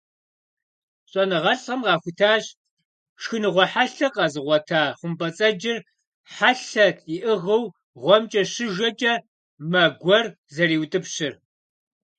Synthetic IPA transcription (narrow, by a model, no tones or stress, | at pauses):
ɕʼɔnɨʁɐɬʼɐmʁɑːxʷʊtʰaːɕ | ʂxɨnɨʁʷɔħaɬɐqʼɑzɨʁʷɔtʰaːχʷʊmbʼɐt͡sʼɐd͡ʒɪr | ħaɬɐtʰiʔɨʁɐw | ʁʷɔmt͡ʃʼɐɕɪʒɐt͡ʃʼɐ | mɐɡʷɔr | zɐɾiːwtʼɨpɕɪr